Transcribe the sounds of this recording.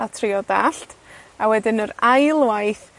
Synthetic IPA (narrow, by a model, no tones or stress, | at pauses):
atʰrɪɔdaɬtʰawɛdɪnəɾajlˠwajθ